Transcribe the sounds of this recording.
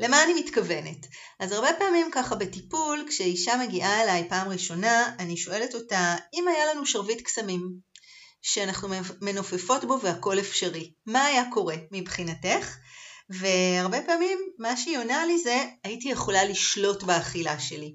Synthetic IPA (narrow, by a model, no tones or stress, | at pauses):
le̞maːnimitkave̞ne̞t | azaʁbe̞paːmimkaχabe̞tipulkʃeiʃame̞ɡiʔae̞lajpaːmʁiʃo̞naːniʃo̞e̞le̞to̞taimajalanuʃaʁvitksamim | ʃeanaχnume̞nofefo̞tbo̞veako̞le̞fʃaʁimaːjako̞ʁe̞mibχinate̞χve̞aʁbe̞paːmimːaʃionalize̞aitije̞χo̞laliʃlo̞tbeaχila̰ʃe̞li